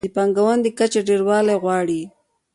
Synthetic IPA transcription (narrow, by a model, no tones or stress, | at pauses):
əpɑŋɡawand̪əkat͡ʃeɖeɾwɑlajɣwɑɽi